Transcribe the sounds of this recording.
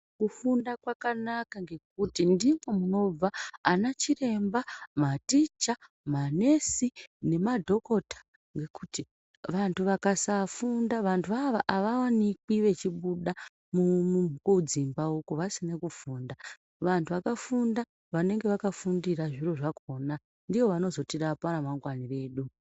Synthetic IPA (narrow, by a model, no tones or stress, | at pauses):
kufundakwakanakaŋɡe̞k̚utindimwo̞muno̞b͡vaːnat͡ʃire̞mbamatit͡ʃa | mane̞sine̞madʱo̞ko̞tḁ | ŋɡe̞kuti | ʋantʰuʋakasafundaʋantʰuaʋaʔaʋawanik̚iʋe̞t͡ʃiɓuɗa | mumuukud͡zimbaukuʋasinekufuːnda | ʋantʰuʋakafunda | ʋane̞ŋɡe̞ʋakafundiraʐiro̞ʐakʰo̞ːna | ndiʋo̞ʋano̞zo̞tirapaɾamaŋɡwanire̞ːɗu